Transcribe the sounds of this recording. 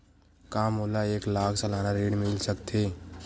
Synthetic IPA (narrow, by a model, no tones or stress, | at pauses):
kaːmoːlaeːklaːkʰsɐlaːnaɾeːɽmɪlsəkt̪ʰeː